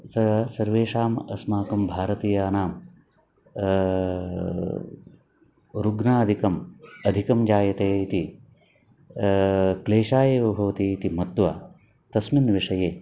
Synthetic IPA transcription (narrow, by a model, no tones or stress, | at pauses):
sɐsɐɾʋeːʂaːmɐsmaːkɐmbʱaːɾɐt̪iːjaːnaːm | ɾuɡnaːɐd̪ʱikɐmɐd̪ʱikɐmd͡ʒaːjɐt̪eːit̪i | kleːʃaːjeːʋɐbʱɐʋɐt̪iːt̪imɐt̪ːʋɐ̰ | t̪ɐsminʋiʂɐjeː